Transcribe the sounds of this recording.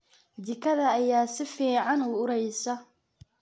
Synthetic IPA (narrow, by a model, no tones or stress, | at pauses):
d̪ɪkʰɐðɐːjaːsɪfiːʕɑnuːʊɾɛjsɐ